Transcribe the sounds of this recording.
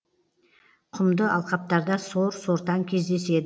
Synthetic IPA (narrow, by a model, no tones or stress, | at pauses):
qʰʊmd̪əʔɑlˠqɑp̚t̪ɑɾd̪ɑsoɾso̞ɾt̪ɑŋkʲʰe̞zd̪e̞se̞d̪ɪ